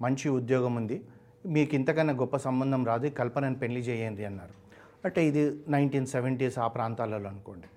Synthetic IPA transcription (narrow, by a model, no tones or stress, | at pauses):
mɐɲt͡ʃiud̪jɔːɡɐmund̪i | miːkint̪ɐkɐnːɐɡɔpːɐsɐmbɐnd̪ʱɐmɾaːd̪ukɐlpɐnɐnpe̞ɳlid͡ʒɛːjeːnɖiɐnːaːɾu | ɐʈːeid̪inɐjɳʈiːnseʋeɳʈiːsaːpɾaːnt̪aːlɐloːɐnuko̞ːɳɖi